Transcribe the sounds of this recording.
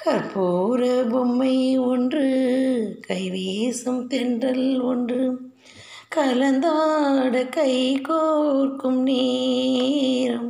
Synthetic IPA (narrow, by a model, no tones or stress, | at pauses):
kɐɾpuːɾɐbɔmːɐɪɔndrɯ | kɐɪʋeːsɐmt̪ɛndrɐlɔndrɯ | kɐlɐnd̪aːɽɐkɐɪkorkɯmne | ɾɐm